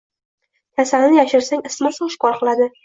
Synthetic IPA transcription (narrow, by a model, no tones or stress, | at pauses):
t̪ʰasanjaʃɪɾsaŋɪsmasɒʃɪ̥kɒɾqɨlˠad̪ɪ